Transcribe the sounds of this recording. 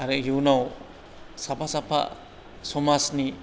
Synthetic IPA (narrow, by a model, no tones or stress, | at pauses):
aɾejunow | sapʰasapʰa̰ | sɔmasni